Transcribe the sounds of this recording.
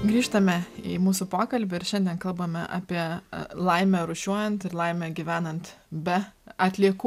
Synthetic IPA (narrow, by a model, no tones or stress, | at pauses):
ɡɾʲiːʃt̪ɐmʲɛimuːsʊpoːkɐlʲbʲɪɪɾʃʲɛnʲd̪ʲiɛnkɐlˠbɐmʲɛʔɑ̰ːpʲiɛlˠɐɪmʲɛɾʊʃʲuɔjɛnt̪ɪɾlˠɐɪmʲɛɡʲiʋʲæːnɐnt̪bʲɛɐt̪ʲlʲiɛkuː